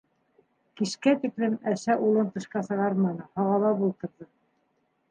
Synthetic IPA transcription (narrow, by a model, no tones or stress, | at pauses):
kiʃkæt̪iklɘmæʃæʔulˠɤnt̪ɤ̆ʃqɑsɤ̆ʁɑɾmɑnɤhɑʁɑlˠɑbulˠt̪ɤ̆ɾðɤ